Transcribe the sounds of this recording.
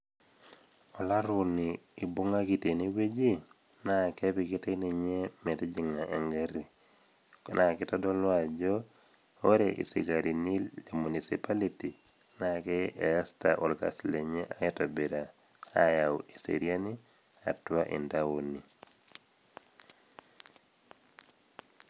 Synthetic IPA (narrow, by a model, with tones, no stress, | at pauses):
ɔ˨la˦ɾuniː˨bu˦ŋa˦kite˨ni˦we˦d͡ʒi˦ | nake˦pikite˦ne˨ɲe˦me˨tɛ˦d͡ʒi˨ŋa˨ʔḛ˨ŋɡaɾi˨ | nʔa˨ki˦tɔdo˦lwad͡ʒo˦ | o˦ɾeʔḭ˨sḭ˨ka˨ɾi˨ni˦le˨mu˨ni˨sipaliti˨ | nakɛe˨ja˦sta̰ʔɔ˨lka̰˨sle˨ɲe˦ʔajɛ˦ta˨be˨ɾa˨ | aja˨we˨sḛɾja˦ni | a̰˨twa˦ʔḭ˨ndaoni˨